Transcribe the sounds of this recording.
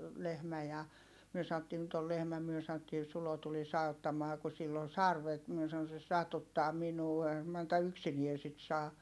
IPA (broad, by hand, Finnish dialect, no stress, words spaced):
lehmæ jɑ myø sɑotːiː nyt ol lehmæ myø sɑn̆otːiː sulo tulis ɑutːɑmɑː ku silː on sɑrʋet mie sɑon se sɑtutːɑː minuː eihæm mɑntɑ yksinie sit sɑː